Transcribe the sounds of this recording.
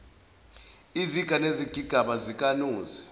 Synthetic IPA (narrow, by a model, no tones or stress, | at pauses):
iziɡ̥ʱaneziɡ̥ʱiɡ̥ʱaɓazik̬ʼanuːzi